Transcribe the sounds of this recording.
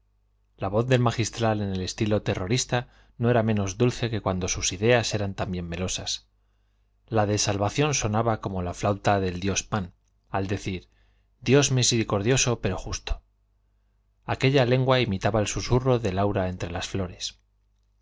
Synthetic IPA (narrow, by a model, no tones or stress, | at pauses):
laβo̞θðe̞lmaxist̪ɾale̞ne̞le̞st̪ilo̞t̪e̞ro̞ɾist̪a | noe̞ɾamẽ̞no̞zðulθe̞ke̞kwand̪o̞susiðe̞ase̞ɾant̪ambje̞mːelo̞sas | laðe̞salβaθjo̞nso̞naβako̞mo̞laflawt̪aðe̞ld̪jo̞span | ald̪e̞θiɾ | d̪jo̞zmise̞ɾiko̞ɾð̞jo̞so̞pe̞ɾo̞xust̪o̥ | ake̞ʎale̞ŋɡwaimit̪aβaelsusuro̞ðe̞lawɾae̞nt̪ɾe̞lasflo̞ɾe̞s